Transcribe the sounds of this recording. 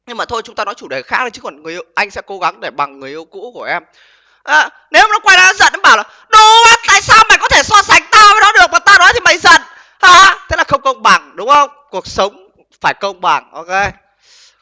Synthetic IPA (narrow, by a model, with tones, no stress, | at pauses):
ɲɨ˧ŋmaː˨˩t̪ʰo˧jt͡ɕʊ˨˦ŋ͡mt̪aː˧nɔ˨˦jt͡ɕu˧˩ɗe˨˩xaː˦˥k̚a˨˩t͡ɕɨ̥˨˦kɔ˨˩nŋɨ˨˩əʔʔa˧jŋ̟sɛ̰˧˥ko˨˦ɣa˨˦ŋɗe˧˩ɓa˨˩ŋːɨ˨˩əjʔi˧əwkṵ˧˥ku˧˩əʔɛ˧m | ʔəː˨˦ | ne˨˦wa˨˩nɔ˨˦kwa˧jnaː˨˧nɔ˨˦zə̰˧˨nʔɓaː˧˩wlaː˨˩ | ɗu˨˦a˨˦t̪a̰ː˧˨jsaː˧wma̰˨˧˨kɔ˨˦t̪ʰe˧˩saː˧sa˨˦jŋ̟t̪aː˧vaː˨˦jnɔ˨˦ɗɨ˨˩ək̚maː˨˩t̪aː˧nɔ˨˦jt̪ʰi˨˩ma˧˨˩jzə̰˧˨n | haː˧˩t̪ʰe˨˦laː˨˩xə˧wŋ͡mkə˧wŋ͡mɓa˨˩ŋɗʊ˨˦ŋ͡mxə˧wŋ͡mku˨˩ək̚sə˨˦wŋ͡m | faː˧˩jkə˧wŋ͡mɓa̰˨˩ŋʔo˧ke˧